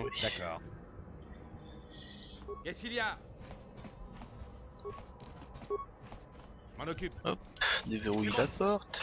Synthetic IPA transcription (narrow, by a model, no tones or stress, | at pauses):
d̪akɔ̰ːʁ | kɛskʲilja | ʒəmɑ̃nɔkʲypɔpd̪eveʁujlapɔʁt̪